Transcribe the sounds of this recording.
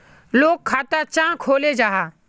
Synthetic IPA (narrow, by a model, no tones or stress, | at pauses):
loːkʰːaːt̪at͡ʃãːkʰoːled͡ʒaːɦaː